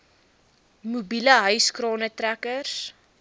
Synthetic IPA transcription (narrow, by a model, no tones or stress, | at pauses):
mubiləɦœɥskɾɑːnətɾækərs